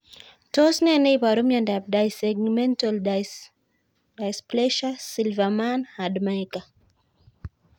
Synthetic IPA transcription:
tɔsnɛnɛipaɾumjandab̚dajsɛɡmɛntɔl | dajsplɛʃasilvamanhadmajka

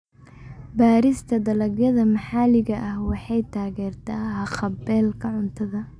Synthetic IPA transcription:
baːɾɪst̪ʰɐd̪ɐlɐɡjɐðɐmɐħaːlɪɣɐʔɐhwɑħɑjt̪ʰaːɣɛːrt̪ʰaːɦɐχɐbɛːlkʰɐʕʊnt̪ʰɐðɐ

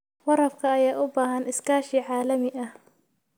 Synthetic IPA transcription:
wɑɾɐfkʰɐːjaːʔʊbaːɦɐnɪskʰaːʃiːʕaːlɐmɪʔɐh

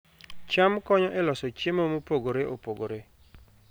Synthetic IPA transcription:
t͡ʃamkɔɲɔʔɛlɔsɔt͡ʃemomopoɡoɾeʔopoɡoɾe

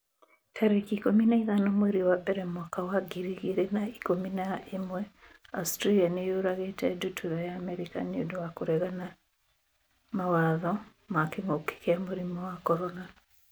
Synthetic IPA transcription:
tʰaɾekikominaiðanɔmwɛɾiwabɛɾɛmwakawaɡiɾiɣiɾenaikominaemwɛa̰stɾalianejoɾaɣetɛdutʰuðajaːmɛɾika̰niodowakoɾɛɣana | mawaðɔ | makeŋoke̥keamoɾimɔwakɔɾɔna

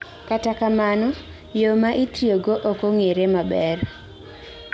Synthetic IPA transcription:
katakamanɔ | jomaʔitɾjoɡoʔokoŋeɾemabɛr

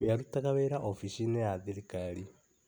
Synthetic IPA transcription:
aɾutakaβeɾaʔofiʃinejaðiɾikali

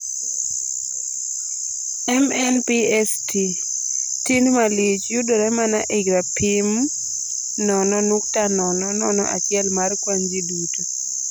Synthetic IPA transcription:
ɛmɛnpiɛstʰi | tinmalit͡ʃjudɔɾɛmanaʔiɡɾapim | nɔnɔnuk̚tanɔnɔnɔnɔ̰ʔa̰t͡ʃɪɛlmarkwaɲd͡ʒidutu

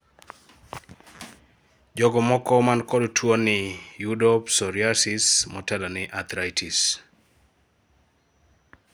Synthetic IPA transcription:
d͡ʒɔɡɔmɔkɔmankɔdtʰwonɪjudɔpsɔɾiasismɔtɛlɔnɪʔat̪ʰɾajtʰis

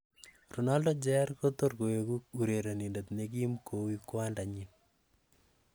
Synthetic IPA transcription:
runaldod͡ʒɛɾkot̪orkoekuk̚uɾeɾonindet̪nek̬imkʰowikwandaɲin

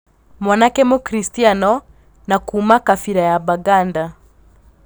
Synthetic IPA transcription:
mwanakɛmukɾistianɔ | nakuːmakafiɾajabaɡanda

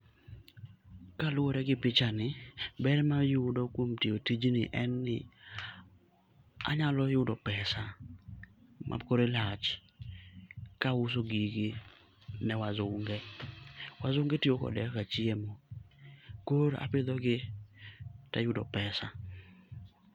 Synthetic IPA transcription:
kalʊoɾɛɡɪpɪt͡ʃanɪbɛɾmajʊdɔkwomtiotid͡ʒnɪ̰ʔɛnːɪ | a̰ɲalɔjʊdɔpɛsa | mʔa̰koɾelat͡ʃ | kaus̬oɡiɡi | nɛwazʊŋɡɛ | wazʊŋɡetiokɔ̰dɛkat͡ʃiemo | koɾa̰pɪd̪ɔɡɪ | tajʊdɔ̰pɛsa

